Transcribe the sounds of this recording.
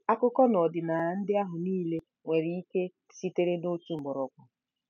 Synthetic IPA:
a˦kʊ˦kɔ˦nɔ˨dɪ˨na˨n̩˦dɪ˦a˦ɦʊ˨niː˦le˦ | ŋʷe˨ɾi˨i˦ke˦ | si˦te˦ɾe˦no˦t͡ʃu˦ŋ͡m̩˨ɡ͡bɔ˨ɾɔ˨kʷa˨

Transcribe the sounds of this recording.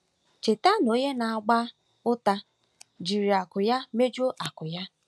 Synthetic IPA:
t͡ʃe˨ta˦no˦ɲe˦na˨a˨ɡ͡ba˦ | ʊ˦ta˦ | d͡ʒi˨ɾi˨a˨kʊ˨ja˦me˦d͡ʒo˦ʔa˨kʊ˨ja˦

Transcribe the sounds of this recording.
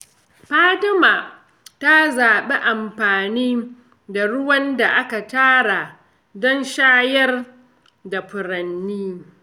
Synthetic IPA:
ɸaː˦tɪ˦maː˨ | ta˦zaː˨ɓe˦ʔa˨mɸaː˨niː˦ | da˨ɽʊ˦wɐ˦nda˨ʔa˦ka˨taː˦ɽa˨ | dɔ˦nʃaː˦jɐ˦r | da˨ɸʊ˨ɾɐ˨nːiː˦

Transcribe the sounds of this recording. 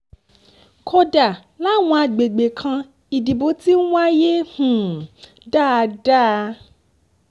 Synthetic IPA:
kʰɔ˦da˨ | la˦w̃ɔ̃˧˦a˧ɡ͡be˨ɡ͡be˨kʰã˧ | i˨di˨bo˨˦ti˦w̃ʷa˦je˦hũ˨ | ɖa˦˧da˦

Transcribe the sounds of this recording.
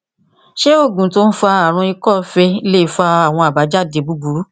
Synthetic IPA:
ʃe˦o˦˨ɡũ˨to˦n̩˦fa˧a˨ɾ̃ũ˧i˧kɔ˦˨fe˧i˧le˦i˦˧fa˧a˦˨w̃ɔ̃˧a˨ba˨˦d͡ʒa˦˨de˨˧˨bu˨˦bu˨˦ɾu˨˦

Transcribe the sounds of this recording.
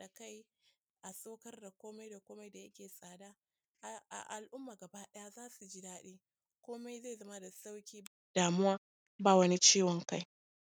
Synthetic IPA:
a˨ka˦j | ʔa˨sʼoː˦kɐ˦rda˨kʷoː˦ma˦jda˨kʷoː˦ma˦jda˨ja˦kʲeː˨sʼaː˨daː˦˨ | a̰˨ʔa˨lʔʊ˦mːaː˨ɡɐ˨baː˦ɗɐ˦ja˦zaː˦su˨d͡ʒi˦daː˦ɗeː˦ | kʷoː˦ma˦jzeː˦˨zɐ˦ma˦da˨sa˦wkʲiː˦ | d̥aː˨mʊ˦waː˦ | ba˦wɐ˦ni˦t͡ʃiː˦wɔ˨ŋka˦j

